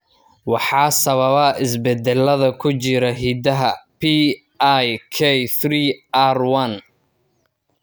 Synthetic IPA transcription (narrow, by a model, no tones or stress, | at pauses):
wɑħɑːsɐβɐβɐʔɪsbɛd̪ɛlːɐðɐkʰʊt͡ʃɪɾɐɦiːd̪ɐɦɐpʰi | ʔajkʰɛjθriːarwɐn